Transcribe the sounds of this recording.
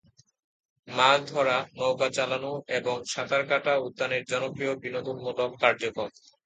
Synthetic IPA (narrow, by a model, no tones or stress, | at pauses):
mad̪ʱɔɾanowkat͡ɕalanueboŋʃad̪aɾkaʈaud̪ːaneɾd͡ʑɔnopɾijobinod̪unmot̪okkaɾd͡ʑokɾom